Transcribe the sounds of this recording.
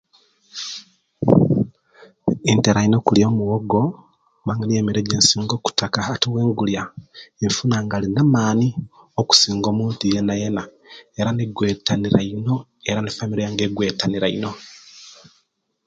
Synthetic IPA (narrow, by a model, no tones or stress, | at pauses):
inteɾaino̞kuljoːmuwoɡo̞ | maŋinieːmiɾeɟeːnsiːŋɡo̞ːku̥takaːtiwe̞ːŋɡuljaefunaːŋɡalinamaːni | oku̥siːŋɡo̞ːmuːntijenajena | eɾaniɡwe̞ːtaniɾaino̞eɾanifamiɾejaŋɡeɡwe̞ːtaniɾaino̞